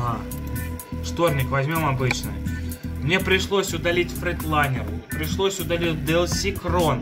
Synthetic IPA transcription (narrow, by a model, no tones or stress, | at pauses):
ɦa | ʂt̪ornʲɪkvɐzʲmʲo̞mɐbɨt͡ɕnɨ̰mnʲe̞pɾʲɪʂlˠosʲʊd̪ɐlʲitʲfɾʲɪt̪lˠanʲɪrpɾʲɪʂlˠo̞sʲʊd̪ɐlʲitʲd̪ɛlˠsʲikron